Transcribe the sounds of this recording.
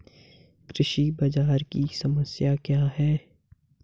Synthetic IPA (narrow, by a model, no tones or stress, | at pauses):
kɾɪʃibɐd͡ʒaːɾkisɐməsjakjaːɦɛː